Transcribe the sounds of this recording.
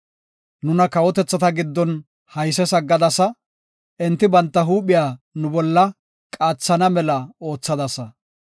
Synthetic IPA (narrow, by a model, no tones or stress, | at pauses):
nʊnɐkɐwɔt̪ɛt͡sːɐt̪ɐɡɪd̪ːɔn | hɐjsɛsɐɡːɐd̪ɐsɐ | ʔɛnt̪ːɪbɐnt̪ːɐɦuːpɪjaːnʊbɔlːɐ | kʼaːt͡sːɐnɐmɛlɐo̞ːt͡sːɐd̪ɐsɐ